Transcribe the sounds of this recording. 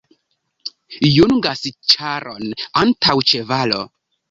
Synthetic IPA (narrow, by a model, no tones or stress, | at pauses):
junɡast͡ʃaɾonantʰawt͡ʃevalo̰